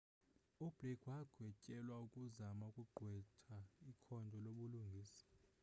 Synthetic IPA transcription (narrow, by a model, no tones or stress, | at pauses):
ub̥lɛkʰwaɡ̥ʱwɛt͡ʃʼɛlwaukʼuzamaukʼuɡ͡ǃʱwɛtʰaikʰɔndʱɔloɓuluŋɡʱiːsḁ